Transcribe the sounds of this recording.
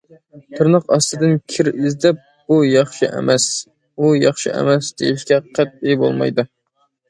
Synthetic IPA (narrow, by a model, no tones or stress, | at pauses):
t̪ʰɨɾnəqɑ̰st̪ɨd̪ɨnkʲʰɪɾizd̪ɛp̚ | bujɑχʃɨʔɛ̰mɛs | ujɑχʃɨ̰ʔɛ̰mɛsd̪ḛjiʃkʲɛqʰæt̪̚ebo̰lˠmɑ̰jd̪u